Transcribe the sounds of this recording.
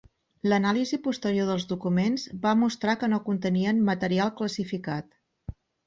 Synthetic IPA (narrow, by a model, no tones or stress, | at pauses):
lənalizipust̪əɾioðəlˠzðukumenzbamust̪ɾakənokunt̪əniənmət̪əɾialˠkləsifikat̪